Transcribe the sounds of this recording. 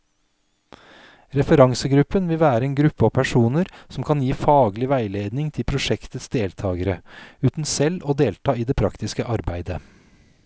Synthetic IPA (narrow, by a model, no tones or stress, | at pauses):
ɾɛfəɾɑŋsəɡɾʉpːənʋɪlʋæːɾəeːnɡɾʉpːəɔpʰæʂuːnəɾsɔmkʰɑnjiːfɑːɡlɪʋæɪleːd̪nɪŋt̪ʰɪlpʰɾʊʂɛkt̪ət̪sd̪eːlt̪ʰɑːɡəɾəʉːt̪n̩sɛlːɔd̪eːlt̪ʰɑːiːd̪eːpʰɾɑkt̪ɪskəʔɑɾbæɪd̪ə